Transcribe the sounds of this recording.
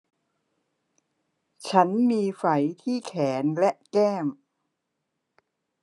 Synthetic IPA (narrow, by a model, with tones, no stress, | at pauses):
t͡ɕʰa˦˥nmiː˧fa˩˦jt̪ʰiː˥˩kʰɛː˩˦nlɛ˦˥ʔkɛː˥˩m